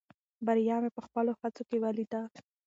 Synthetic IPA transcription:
baɾjɑmepəxpəlohat͡sokewalid̪a

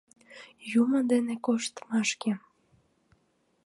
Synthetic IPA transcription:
juməd̪enekoʃt̪mɑʃke

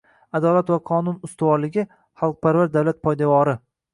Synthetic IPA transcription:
ad̪ɒlat̪vaqʰɒnʊnʊst̪avɒɾlɪɡʲɪ | χɑlˠq̚pʰaɾvaɾd̪awlat̪̚pʰɒjd̪avɒɾɪ

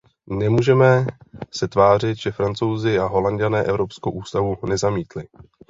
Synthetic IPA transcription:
nɛmuːʒɛmɛsɛt̪vaːr̝ɪt̪ʒɛfɾant͡so̞wzɪaɦo̞landanɛːʔɛvɾo̞pskowʔuːst̪avunɛzamiːt̪lɪ

